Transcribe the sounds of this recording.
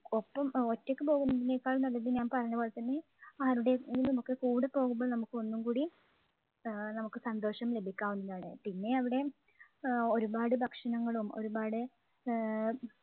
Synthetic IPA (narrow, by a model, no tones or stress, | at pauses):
o̞pːɐmo̞tːokːɨpo̞ːɣunːɐðinːekːaːɭunɐlːɐðiɲaːnpɐrɐɲːɐboːɭet̪ɐnːe̞ | aːɾuɽeinɐmukːekuːɽɨpːo̞ːɣumboːɭnɐmukːɨo̞nːumkuːɽi | nɐmukːɨsɐnd̪o̞ːʂɐmle̞bʱikʲːaːʋunːuðaːɳḛpinːe̞ɐʋiɽe̞ | o̞ɾubaːɽɨbʱɐkʂɐnɐŋːɐɭumo̞̰ɾubaːɽɨ